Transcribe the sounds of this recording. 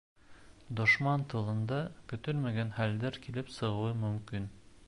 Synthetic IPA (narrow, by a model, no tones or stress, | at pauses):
d̪ŏʃmɑnt̪ɤ̆lˠɤ̆nd̪ɑkɵ̆t̪ɵlmæɡænχæld̪æɾkilɘpsɤ̆ʁɤ̆wɤmɵ̆mkin